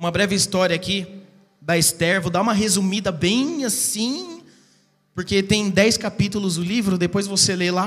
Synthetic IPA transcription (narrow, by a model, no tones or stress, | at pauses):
ũmɐbɾɛvɪist̪ɔɾjɐaki | d̪ɐist̪ɛɾvod̪aũmɐɦezumid̪ɐbẽj̃asĩ | poɾket̪ẽj̃d̪ɛjskapit̪ʊlʊzd̪ʊlivɾʊd̪epojzvoselela